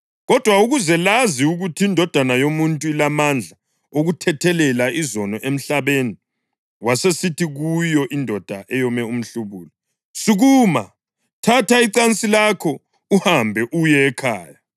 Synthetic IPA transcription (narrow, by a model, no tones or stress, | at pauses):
ɣɔd̥ʱwauɣuzɛlaziuɣutʰiːndʱɔd̥ʱanajomuntʼuilamand͡ɮʱa | oɣutʰɛtʰɛlɛlaizɔnɔʔem̩ɬaβeni | wasesitʰiɣujɔʔindʱɔd̥ʱaʔɛjɔmɛum̩ɬuβuːlɔ | siɣuːma | tʰataiǀant͡sʼilakʰɔ | uhambʱɛʔujɛːkʰaːja